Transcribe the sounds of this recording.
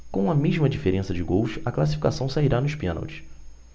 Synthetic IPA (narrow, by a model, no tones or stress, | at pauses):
kõũɐmeʒmɐd͡ʒifeɾẽsɐd͡ʒɪɡowʃɐklas̬i̥fikasɐ̃w̃saiɾanʊʃpẽna̰wt͡ʃɪ̥